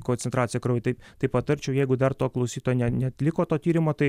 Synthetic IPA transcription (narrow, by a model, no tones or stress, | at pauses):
konʲt͡s̪ʲɛnt̪ɾɑːt̪sʲjɛkɾoʊʋʲɪt̪ɐɪt̪ɐɪpɐt̪ɐɾʲt͡ʃʲɛʊjɛɪɡʊd̪ɐrt̪oːklˠɐʊsʲiːt̪oːjonʲɛnʲɛɐt̪ʲlʲɪkoːt̪oːt̪ʲiːɾʲɪmoːt̪ɐɪ